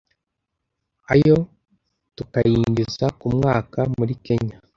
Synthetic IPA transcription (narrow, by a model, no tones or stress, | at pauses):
ajo̞ | tukajiːɲɡizakumŋaːkamuɾike̞ɲa